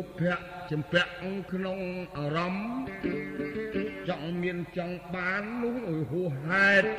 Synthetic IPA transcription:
pʰɛ̆əʔt͡ɕɑmpɛ̆əʔŋkʰnoŋʔaːrɑm | t͡ɕɑŋmiənt͡ɕɑŋɓaːnːuəhʔujɦuəhːaɛt̪̚

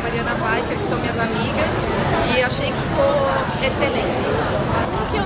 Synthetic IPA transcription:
maɾiɐ̃nɐvajfeɾkɪ̥sɐ̃w̃mĩɲɐzamiɡɐs | ɪewaʃejkɪfiko | eselẽt͡ʃɪ | õkɪe

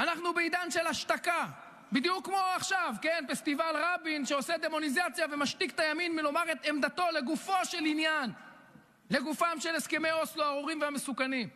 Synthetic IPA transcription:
anaχnubeid̪anʃe̞laʃt̪aka | bid̪jukːmo̞aχʃavkenfest̪ivalʁabinʃeo̞sed̪emo̞nizat͡sjavemaʃt̪ikt̪ajaminmilo̞maʁet̪emd̪at̪o̞le̞ɡufo̞ʃe̞linjan | le̞ɡufamʃe̞leske̞mejosluaʁuʁimveamesukanim

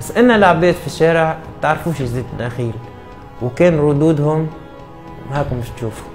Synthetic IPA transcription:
asːʔɪnːalaʕbeːd̪fiʃːaːɾɪʕ | t̪aʕɾˤfuːʃizeːd̪nʔaxiːl | wkeːnɾˤʊd̪uːd̪hʊm | haːkʊmbɪʃt̪ʃuːfu̥

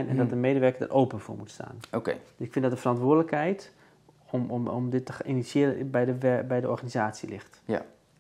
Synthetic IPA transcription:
jnɛ̰ndɔtdəmeːdəʋɛrkədə̰rʔowpənfo̰ːmutsta̰ːnoked̥sɪkfɪ̃ntdɔtdəfərɔntʋʊːdələkhɛjt | ɔmɔ̰mdɪtːəinisjɪəɾənbɛjəbɛjdəɔ̰rɣanizaːt͡silɪxt

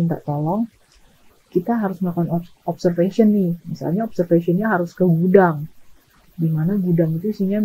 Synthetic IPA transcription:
nt̪a̰ʔt̪olɔŋ | kit̪aɦaɾʊsmakan | ɔpsərfeʃiɔnːɪhmisa̰lɲaɔp̚sərfesiɔnɲaɦaɾʊskəɡudaŋ | dimanaɡudaŋit̪uisiɲa

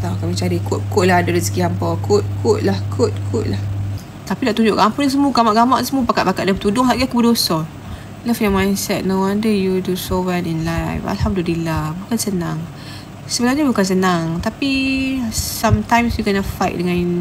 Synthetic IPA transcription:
t̪akamit͡ʃaɾikʊt̪̚kʊʔ̚laɦadadəsəɡiampakʊt̪̚kʰʊʔ̚lahkʰʊt̪̚kʰʊʔ̚lah | t̪apidaʔt̪uɲd͡ʒʊʔkampʊnas̬əmuɡamaʔɡamaʔsəmupakat̪̚pakat̪dapət̪udʊŋɦaʔɡakubədosɔ | lafjamãjnsɛt̚nowadəjudusowɛninlajfa̰lhamdulilabukansənãŋ | səbənaɲabukans̬ənaŋt̪api | samt̪ãjmsjukənafajʔ̚dəŋãn

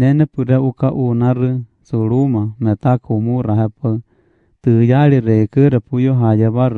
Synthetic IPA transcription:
nɛnɛpɨɾɛʔukaʔunãrɨ | suɺumãmɛ̃t̪akumuɾaɦɛpa | t̪ɨjaɺiɾɛikɨɾɛpujoɦajɛβaɾ

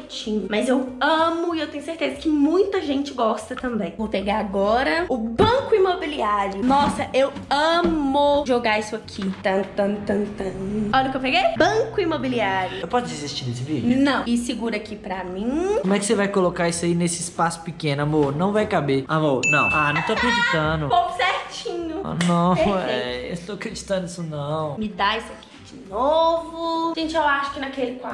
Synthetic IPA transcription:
t͡ʃĩɲʊmɐzewɐ̃mʊiewt̪ẽɲ̃ʊseɾt̪ezɐkɪmũj̃t̪ɐʒẽnt͡ʃɪɡɔst̪ɐt̪ɐ̃mbẽj̃vopeɡaɾaɡɔɾɐʊbɐ̃kʊimobiliaɾjʊnɔsɐʔewɐ̃mʊʒoɡaisʊakʰit̪ɐ̃t̪ɐ̃t̪ɐ̃t̪ɐ̃ɔʎɐkewpeɡejbɐ̃kʊimobiliaɾjʊewpɔsʊd͡ʒizist͡ʃiɾnesɪvid͡ʒʊnɐ̃w̃ɪsɪɡuɾɐakipɾɐmĩõmʊɛkɪ̥sevajkolokaisʊainesɪːspasʊ̥pikẽnʊamoɾnɐ̃w̃vajkabeamoɾnɐ̰̃w̃anɐ̃w̃t̪oɐkɾed͡ʒit̪ɐ̃nʊpokʊ̥seɾt͡ʃĩɲʊ̰nɐ̃eɛ̰̃ḛwt̪oɐkɾed͡ʒit̪ɐ̃d̪ʊisʊnɐ̃w̃mɪd̪aisʊaki̥i̥d͡ʒɪnovʊʒẽnt͡ʃɪewaʃʊ̥kɪnakelɪkwa

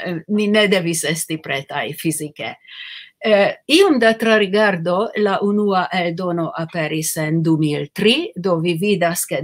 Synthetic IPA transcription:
mine̞d̪e̞vise̞stipɾe̞t̪a̰jfizikḛ | iomd̪atɾaɾiɡaɾdo̞laʔunuaʔe̞ldo̞no̞ʔape̞ɾise̞nd̪umilt̪ɾido̞vividaske

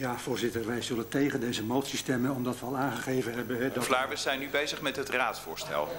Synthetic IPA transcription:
jaːvʊːɹzɪtərʋɛjzɵləntejχəndejzəmowtsistɛmənɔmdɑtʋəɑlˠaːnχəχejvənɦɛbənɦɛdɔflaːɹvəsɛjnybejzəχmɛtɦətraːtsfʊːɹstɛ̰lˠ

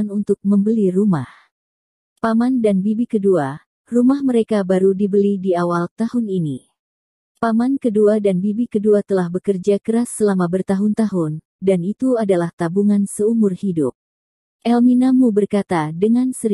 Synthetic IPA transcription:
nunt̪ʊk̚məmbəliruma̰h | pamandanbibikədua | rumahməɾekabaɾudibəlidiawalt̪ahʊnini | pamankəduadanbibikəduat̪əlahbəkərd͡ʒakəɾasːəlamabərt̪aɦʊnt̪aɦʊn | danit̪uadalaht̪abuŋansəumʊrhidʊp̚ | ʔɛlminamubərkat̪adəŋansəɾ

